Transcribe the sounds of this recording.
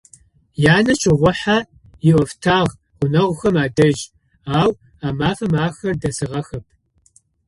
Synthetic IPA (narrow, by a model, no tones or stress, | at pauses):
jaːnɐt͡ʃʼʰɪʁʷʊħaː | jɪʔʷɔftʰaːʁʷ | ʊnɐʁʷʊxɐmaːdɐʒ | aːw | aːmaːfɐmaːxɐrdɐsɨʁɐxɐp̚ʰ